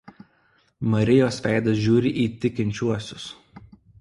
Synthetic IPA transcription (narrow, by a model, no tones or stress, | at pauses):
mɐɾʲɪjoːsʋʲæˑɪd̪ɐs̬ʒʲuːɾʲɪʔiːt̪ʲɪkʲɪnʲt͡ʃʲuɔsʲʊs